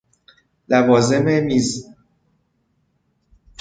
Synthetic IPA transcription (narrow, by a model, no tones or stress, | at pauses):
lævɒːzememiz